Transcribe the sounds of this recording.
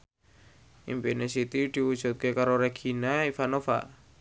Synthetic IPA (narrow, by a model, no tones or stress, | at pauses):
ḭmbenesit̪id̪̥i̤wud̥ʒ̥ṳt̪̚kekaɾoɾeɡ̥ʰinaifanofa̰